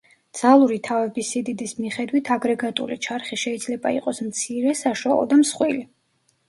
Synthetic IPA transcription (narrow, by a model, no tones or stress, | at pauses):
d̪z̥alˠuɾit̪ʰavɛbisid̪id̪ismiχɛd̪wit̪ʰaɡɾɛɡat̪ʼṵlit͡ʃʰaɾχiʃɛid̪zlɛba̰ḭqʼɔsmt̪sʰiɾɛsaʃwalˠɔ̰d̪amsχwili